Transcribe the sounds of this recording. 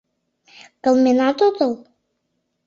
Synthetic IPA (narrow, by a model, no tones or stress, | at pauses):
kəlˠmenɑt̪ot̪əlˠ